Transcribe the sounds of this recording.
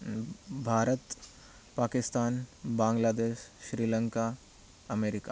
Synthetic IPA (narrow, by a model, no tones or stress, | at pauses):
bʱaːɾət̪ | paːkɪst̪aːnbãːŋɡlaːd̪eːʃːɾiːlə̃ŋka | ɐmeːɾɪka